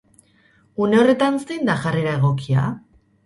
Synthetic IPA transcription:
une̞o̞re̞t̪ansejnd̪aʝare̞ɾae̞ɣ̞o̞kia̰

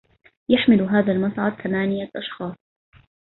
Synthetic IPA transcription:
jaħmɪlɦaːðaːlmɑsˤʕɑd̪̚θamaːnɪjaʔɑʃxɑːsˤ

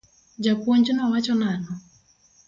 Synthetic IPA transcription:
d͡ʒapoɲd͡ʒinawat͡ʃɔnanɔ

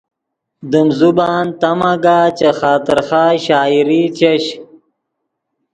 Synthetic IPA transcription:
d̪əmzubaːnt̪ɐmɐɡaːt͡ɕɐxaːt̪ɪɾxaːɕaːiɾit͡ɕeɕ

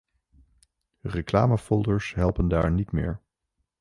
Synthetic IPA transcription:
rekla̰ːməfɔlˠdəɹsɦɛlˠpənda̰ːɹnitmɪ̰ːɹ

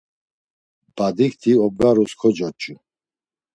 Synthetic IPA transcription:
b̥ad̪ikt̪ʰiɔb̚ɡaɾuskʰɔd͡ʒɔt͡ʃʼu

